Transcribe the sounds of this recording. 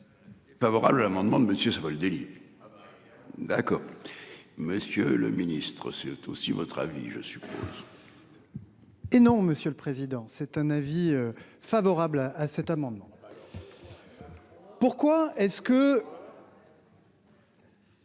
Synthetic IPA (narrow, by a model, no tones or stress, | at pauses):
favɔʁa̰blalamɑ̃d̪mɑ̃d̪əməsjøsavaləd̪eli | d̪akɔːʁ | məsjølə̰minist̪χəsɛt̪ʰo̰sivɔt̪χa̰vḭʒə̰sy̥pʰo̰z | enɔ̃məsjøləpχezid̪ɑ̃sɛt̪ɛ̃naviø | favɔʁablaːsɛt̪amɑ̃d̪mɑ̃ | puʁkwaɛskə